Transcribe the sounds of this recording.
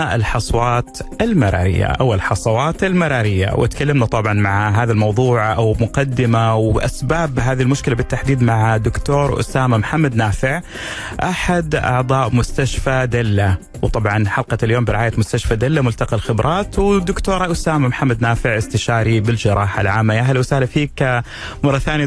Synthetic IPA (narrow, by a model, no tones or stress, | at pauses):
ɪlħɑsˤwɑːt̪ʔalmɪɾˤɑ̰ːɾɪ̰jːa̰ʔa̰wɪlħɑsˤɑwɑːt̪almɑɾˤɑːɾɪjːa̰wʔɪ̰t̪kalːamnat̪ˤɑbʕɑnmaʕɦaːðalmɑwðˤuːʕʔawmʊqɑd̪ːɪmawʔasbaːbɦaːðilmʊʃkɪlabɪt̪ːaħd̪iːd̪maʕad̪ʊkt̪oːɾʔʊ̰saːmamħamːad̪naːfɪʕ | ʔaħad̪ʔɑ̰ʕd̪ˤɑːʔmʊst̪aʃfad̪alːa | wt̪ˤɑbʕɑnħɑlqɑt̪aljoːmbɪɾɪʕaːjamʊst̪aʃfad̪alːamʊlt̪ɑqɑlxɪbɾˤɑːt̪wd̪ʊkt̪oːɾˤɑʔʊsaːmamħamːad̪naːfɪʕʔɪst̪ɪʃaːɾibɪld͡ʒɪɾˤɑːħalʕaːmːajaʔɦalwsaːhlafiːk | mɑrˤːɑθaːn